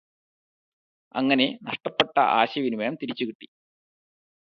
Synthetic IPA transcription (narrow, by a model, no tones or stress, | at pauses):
ɐ̰ŋːɐne̞nɐʂʈɐpːeʈːɐ̰ʔa̰ːɕɐʋinumɐːɐmt̪iɾit͡ɕːukiʈːi